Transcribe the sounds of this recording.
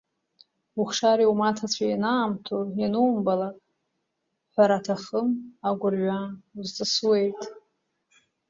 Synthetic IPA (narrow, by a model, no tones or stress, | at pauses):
uχʂaɾiumatʰat͡ɕʷʰajanaːmtʰojanɨmbalakʼ | ħʷaɾatʰaχəmaɡʷʊrɥʷazt͡sʼɨswe̞jtʼ